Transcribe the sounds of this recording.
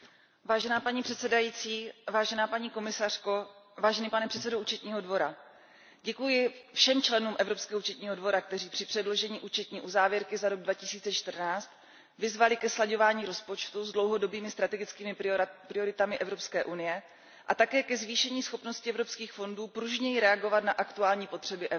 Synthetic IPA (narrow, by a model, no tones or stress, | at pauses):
vaːʒɛnaːpaɲipr̥ɛt̪sɛdajiːt͡siːvaːʒɛnaːpaɲiːko̞mɪsar̝̥ko̞ | vaːʒɛniːpanɛpr̥ɛt̪t͡sɛdouːt͡ʃɛt̪ɲiːɦo̞dvo̞ɾa | ɟɛkujɪfʃɛmt͡ʃlɛnuːmʔɛvɾo̞pskɛːɦouːt͡ʃɛt̪ɲiːɦo̞dvo̞ɾak̚t̪ɛriːpr̥ɪpr̥ɛdlo̞ʒɛɲiːʔuːt͡ʃɛt̪ɲiːʔuzaːvjɪɾkɪzaɾo̞ɡ̚dvacɪsiːt͡sɛt͡ʃt̪r̩naːt͡st̪ | vɪzvalɪkɛslaɟo̞vaːɲiːɾo̞spo̞t͡ʃt̪uzdlo̞wɦo̞do̞biːmɪst̪ɾat̪ɛɡɪt͡skiːmɪpɾɪo̞ɾɪt̪amɪʔɛvɾo̞pskɛːʔunɪjɛ | ʔat̪akɛːkɛzviːʃɛɲiːsxo̞pno̞scɪɛvɾo̞pskiːxfo̞nduːpɾuʒɲɛjɪɾɛaɡo̞vat̪naʔakt̪uaːlɲiːpo̞t̪r̥ɛbɪʔɛ